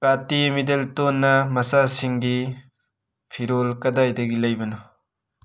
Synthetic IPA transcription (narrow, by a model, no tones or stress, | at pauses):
katimideltonːɐmɐsasiŋɡi | pʰiɾolkɐdajdɐɡilɐjbɐno